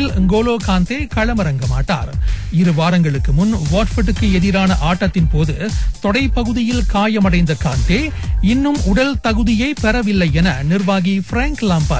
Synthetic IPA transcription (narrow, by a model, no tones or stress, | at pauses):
lŋɡoːloːkaːnt̪eːkɐɻɐmɐɾɐŋɡɐma̰ːʈːa̰ːɾɪɾɯʋaːɾɐŋɡɐɭɯkːɯmʊnʋaːʈfɐʈːɯkːɯɛðɪɾaːnɐʔaːʈːɐt̪ːɪnpoːðɯt̪ɔɽɐɪpɐɣɯðɪjɪlkaːjɐmɐɽɐɪnd̪ɐkaːnt̪eː | ɪnːɯmʊɽɐlt̪ɐɣɯðɪjɐɪpɛɾɐʋɪlːɐɪɛnɐnɪrʋaːɣifɾaːŋklaːmpɐ̰